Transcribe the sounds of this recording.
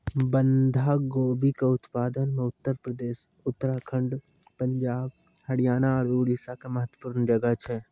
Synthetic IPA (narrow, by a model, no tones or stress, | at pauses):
bənd̪ʱaɡoːbikeʊt̪paːd̪ənmẽʊt̪ːəɾpɾəd̪eːʃ | ʊt̪ːəɾakʰə̃ɳɖ | pəɲd͡ʒaːb̚ | hɐɽijaːnaɔːɾuːɽisakeməɦət̪wə̥puːɾnd͡ʒɐɡəɦt͡ʃʰɛ